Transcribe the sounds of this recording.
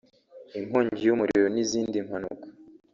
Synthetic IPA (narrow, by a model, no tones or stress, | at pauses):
im̥hoːɲɟijumuɾiɾoniziːndimhanṵkḁ